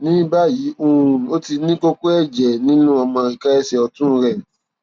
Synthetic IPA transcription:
nĩ˨˦ba˦˨ji˨˦ʔo˧ũ˧˨o˦ti˧nĩ˦ko˦ko˦ɛ˦˨d͡ʒɛ˨nĩ˦nũ˦ɔ˧mɔ̃˧i˨ka˦ɛ˦ʃɛ˧ɔ˧tũ˦˧ɾɛ˦˨

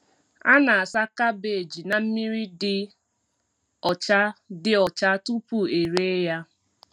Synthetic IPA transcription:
a˦na˨a˨sa˦ka˦be˨e˨d͡ʒi˨na˨m̩˦mi˦ɾi˦dɪ˦ | ɔ˨t͡ʃa˦dɪ˦ɔ˨t͡ʃa˦tu˦pu˦˨e˨ɾe˦ja˦

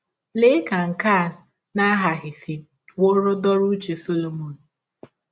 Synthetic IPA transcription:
lɪ˦ka˨ŋ̩˨ka˦˨ | na˦ɦa˨ɣɪ˨si˨ | wo˦ɾʊ˦dɔ˦ɾu˦t͡ʃe˨so˦lo˦mo˨n̩˨

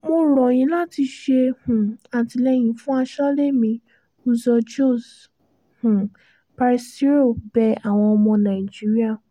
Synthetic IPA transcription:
mo˧ɾɔ˨j̃ĩ˨˦la˦ti˧ʃe˧hũ˨a˨ti˧lɛ˧j̃ĩ˨fũ˦a˧ʃɔ˦le˦mĩ˧ | u˧zɔ˧d͡ʒo˦˨s | hũ˨ | pa˧ɾi˧sti˦ɾo˦˨bɛ˧a˨w̃ɔ̃˧ɔ˧mɔ̃˧nã˨i˨d͡ʒi˦ɾi˦a˦˨

